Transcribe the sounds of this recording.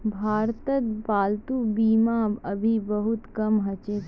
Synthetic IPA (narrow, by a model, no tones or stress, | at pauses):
bʱaːɾt̪ət̪baːlt̪ubiːmaɐbʱibɐɦʊt̪kɐmɦɐt͡ʃe